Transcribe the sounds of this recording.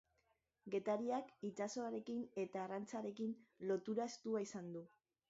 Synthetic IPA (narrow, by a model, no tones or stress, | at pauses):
ɡe̞t̪aɾiakit͡ʃaso̞aɾe̞kine̞t̪aːrant͡saɾe̞kinlo̞t̪uɾae̞st̪uaisand̪u